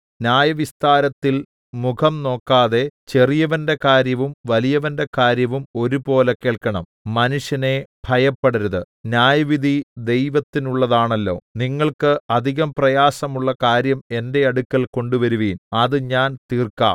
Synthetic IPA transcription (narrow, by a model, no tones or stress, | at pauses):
njaːjɐʋist̪aːɾɐt̪ːil | mukʰɐmno̞ːkːaːðe̞t͡ɕe̞rijɐʋɐnde̞kaːɾjɐʋumʋɐlijɐʋɐnde̞kaːɾjɐʋumo̞ɾupo̞ːleke̞ːɭkɐɳɐmːɐnuʂjɐne̞b̥ʱɐjɐpːɐɽɐɾɐðɨ | njaːjɐʋid̪ʱid̪e̞jʋɐt̪ːinuɭːɐðaːɳɐlːo̞̰ːniŋːɐɭkɨɐd̪ʱiɣɐmprɐjaːsɐmuɭːɐkaːɾjɐme̞nde̞ɐɽukːɐlko̞ɳɖuʋɐɾuʋiːnɐðɨɲaːnt̪iːrka̰ːm